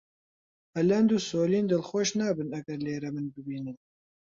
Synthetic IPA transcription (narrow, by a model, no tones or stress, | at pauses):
hɐlɐnd̪uːsoːliːnd̪ɨlxoʃnaːbɨnɐɡɐɾleːɾɛmɨnbɨbiːnɨn